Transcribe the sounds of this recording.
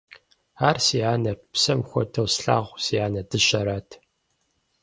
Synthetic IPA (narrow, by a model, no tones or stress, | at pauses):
aːrsiaːnɐpsɐmxʷɔ̰tʰɐwsɬa̰ːʁʷsijaːnɐdɨɕɐɾaːtʰ